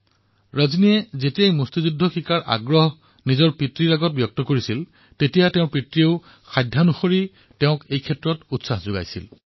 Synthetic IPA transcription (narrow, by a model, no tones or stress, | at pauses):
ɹazniɛzetiejmustizudʱːɔxʰikaɹʔa̰ɡɹɔɦ | nizɔɹpɹitɹiɹaɡɔt̚bjɔk̚tɔkoɹisil | tetijatɛʊ̃ɹpɹitɹiʊ | xajdʱːanuxoɹi | teʊ̃kejkʰɛtɹɔtutsaxzʊɡa̰jsḭl